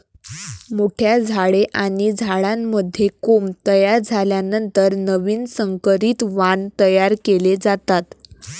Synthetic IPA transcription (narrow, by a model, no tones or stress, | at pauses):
moʈʰjad͡zʱaɭeʔaɽ̃id͡zʱaɭamːəd̪ʱjekomt̪əjaɾd͡zʱaljanənt̪əɾnəʋiːnsəŋkəɾiːt̪ʋant̪əjaɾkeled͡zat̪at̪